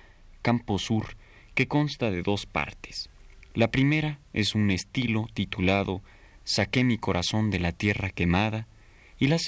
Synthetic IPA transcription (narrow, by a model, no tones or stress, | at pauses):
kampo̞suɾ | ke̞ko̞nst̪aðe̞ðo̞spa̰ɾt̪e̥slapɾime̞ɾae̞sune̞st̪ilo̞t̪it̪ulaðo̞ | sake̞miko̞ɾʔaso̞nd̪e̞lat̪je̞rake̞maða | ilas